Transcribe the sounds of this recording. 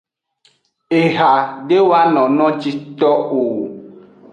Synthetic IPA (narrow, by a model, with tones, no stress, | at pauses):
e˨ɦa˨ɖe˦wa˦nɔ̃˨nɔ̃˦t͡ʃi˦t̪ɔ˦o˨